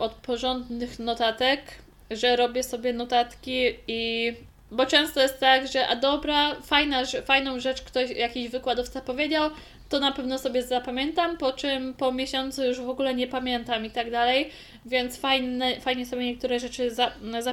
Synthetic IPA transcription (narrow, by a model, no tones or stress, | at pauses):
ɔt̪̚pɔʐɔnd̪nɘxnɔt̪at̪ɛk | ʐɛɾɔbʲjɛsɔbʲjɛnɔt̪at̪kʲii | bɔt͡ʂɛ̃w̃st̪ɔjɛst̪ːaɡʐɛʔa̰d̪ɔbɾafajnaʐɛfajn̪ɔ̃w̃ʐɛt͡ʂkt̪ɔɕjakʲiʑvɘkwad̪ɔft̪sapɔvʲjed͡ʑaw | t̪ɔnapɛvnɔsɔbʲjɛzapamʲjɛnt̪ampɔt͡ʂɘmpɔmʲjeɕɔnt̪sujuʐvɔɡulɛɲɛpamʲjɛnt̪amit̪aɡd̪alɛj | vʲjɛnt̪sfajnɛfajɲɛsɔbʲɛɲɛk̚t̪uɾɛʐɛt͡ʂɘzaza